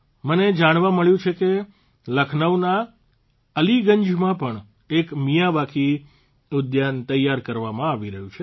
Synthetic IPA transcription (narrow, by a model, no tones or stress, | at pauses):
məned͡ʒaɽ̃ʋãməɭjũt͡ʃʰeke | ləkʰnəʋna | əliɡəɲd͡ʒmãpəɳ | ekmijaʋakʰi | ʊd̪jant̪əjaɾkəɾʋamãaʋiɾəɦjũt͡ʃʰe